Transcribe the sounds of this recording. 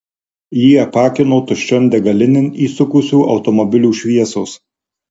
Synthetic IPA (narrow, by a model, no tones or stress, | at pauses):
jiːɐpɑːkʲɪnoːt̪ʊʃʲt͡ʃʲɔnʲd̪ʲɛɡɐlʲɪnʲɪniːsʊkʊsʲuːʔɒʊt̪ɔmɔbʲɪlʲuːʃʲʋʲiɛsoːs